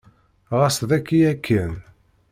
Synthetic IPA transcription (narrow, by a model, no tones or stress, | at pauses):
ʁasðækːijækʰːən